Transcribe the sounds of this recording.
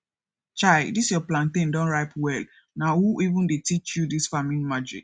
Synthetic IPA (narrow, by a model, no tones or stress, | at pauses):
t͡ʃaɪdisjɔplãntẽndɔ̃nɹaɪpwɛl | nahuʔivũndetit͡ʃjudisfamĩnmad͡ʒḭk